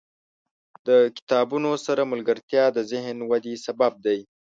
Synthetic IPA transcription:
d̪əkɪ̥t̪ɑbunosaɾamʊlɡəɾt̪jɑd̪əzɪɦnwad̪esabab̚d̪aj

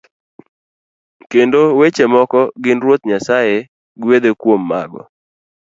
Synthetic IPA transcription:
kendowet͡ʃemɔkɔɡɪnɾwot̪̚ɲasaje | ɡwed̪ekwomːa̰ɡɔ̰

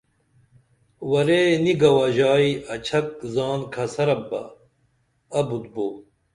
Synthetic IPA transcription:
wɐɾeːniɡɐwɐːʑaːiɐt͡ɕʰɐk̚zaːnkʰɐsɐɾɐbːɐ̰ | ɐbud̪̚boː

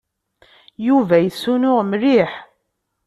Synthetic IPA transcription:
juvæjəsːunʊʁmriħ

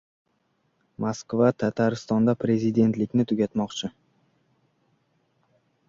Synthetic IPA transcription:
maskvat̪ʰat̪ʰaɾɪst̪ɒnd̪apɾe̞zɪd̪e̞nt̪lɪkʲnɪt̪ʰʊɡʲat̪mɒqt͡ʃʰɪ

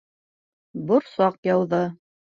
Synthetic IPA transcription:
boɾsɑqjɑwðɤ

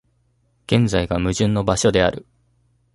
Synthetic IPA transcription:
ɡ̥ẽ̞nd͡zaiɡamɯ̟ʑɨ̃nːo̞baɕo̞d̪e̞a̰ɾɯ̟

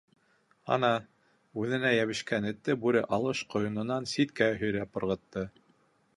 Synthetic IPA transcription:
ɑ̰nɑ | ʉðɘ̆næjæβɘ̆ʃkænɘ̆t̪ːɘbʉɾɘʔɑlˠɤʃqŏjŏnɤ̆nɑnsit̪kæɦɵ̆jɾæpŏɾʁɤ̆t̪ːɤ

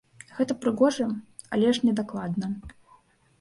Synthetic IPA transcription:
ɣɛt̪ɐpɾɨɣɔʐɐ | ɐ̰lʲɛʂnʲɛd̪aklˠad̪nɐ

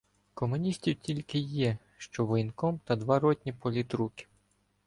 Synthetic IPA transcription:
kɔmʊnʲisʲtʲiwtʲilʲkɪjɛ | ʃt͡ʃɔʋɔjnkɔmt̪ɐd̪ʋɑɾɔtʲnʲipɔlʲit̪ɾukʲɪ̥

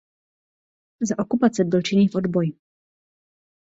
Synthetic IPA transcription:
zaʔo̞kupat͡sɛbɪlt͡ʃɪniːfʔo̞d̪bojɪ

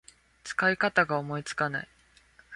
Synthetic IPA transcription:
t͡sɨ̥kaikat̪aɡaomo̞it͡sɨ̥kana̰i

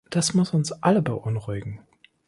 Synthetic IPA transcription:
d̥asmʊsʊnsʔaləbəʔʊnʁʊɪɡŋ̩

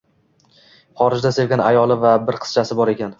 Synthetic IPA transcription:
χɒɾɪd͡ʒd̪ase̞vɡʲanajɒlˠɪvabɪɾqʰɨ̥t͡ʃʰasɪbɒɾe̞kʲan

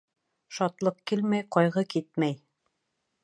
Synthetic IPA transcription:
ʃɑt̪lˠɤqkilmæjqɒjʁɤkit̪̚mæj

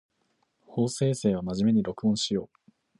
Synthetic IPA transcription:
ho̞ːse̞ːse̞ːβamaʑime̞ɲ̟iɾo̞kɯ̟õɰ̃ɕijo̞ː

